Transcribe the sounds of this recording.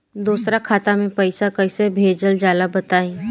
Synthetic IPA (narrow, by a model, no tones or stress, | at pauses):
d̪uːsɾakʰaːt̪amẽpəɪsakəɪsebʱeːd͡ʒəld͡ʒaːlabɐt̪aːĩː